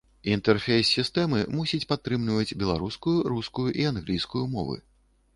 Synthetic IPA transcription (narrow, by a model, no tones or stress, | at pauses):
int̪ɛrfʲejsʲːist̪ɛmɨmusʲit͡sʲpat̪ːɾɨmlʲivɐd͡zʲbʲɛlˠa̰ɾuskujuɾuskujuʔianɣlʲijskujumɔ̰vɨ̰